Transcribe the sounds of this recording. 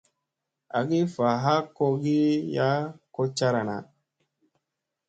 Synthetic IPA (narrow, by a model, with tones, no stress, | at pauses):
a̰˨ɡi˦fa˨ɦa˦ko˧ɡi˦ja˦ko˦t͡ʃa˦ɾa˨na̰˨